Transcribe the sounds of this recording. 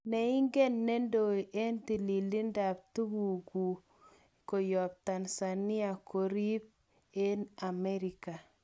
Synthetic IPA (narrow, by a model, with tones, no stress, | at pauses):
ne˨i˦ŋɡe˦nːe˦ndo˨iʔe˦nti˨li˨li˦nda˨p̚tu˦bu˨ɡu˨ | ko˨jɔ˨p̚ta˨nsa˨ni˦a˨kʰo˨ɾi˦p̚ | e˦na˨me˦ɾi˨ka˨